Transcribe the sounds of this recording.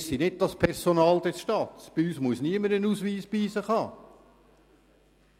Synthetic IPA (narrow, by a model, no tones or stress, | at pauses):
ssinɪd̚d̥ɑspʰɛɾsonɑːld̪ɛsʃtɑːt̪sb̥ɪyːsmuəsniəməɾənuːsʋiːsb̥iːsəχhɑː